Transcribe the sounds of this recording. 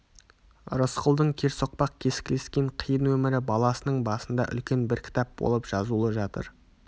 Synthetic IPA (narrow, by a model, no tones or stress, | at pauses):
ɾosqʰəlˠd̪əɴkʲʰe̞ɾso̞q̚pɑq̚kʲʰe̞sɪ̥kʲle̞skʲe̞ɴqʰəjənwɵmɪɾɪbɑlˠɑsənəɴbɑsənd̪ɑʔʏ̰lkʲe̞nbɪɾkʲʰɪ̥t̪ɑp̚bo̞̰lˠəpʒ̥ɑzulˠəʒɑt̪ə̰ɾ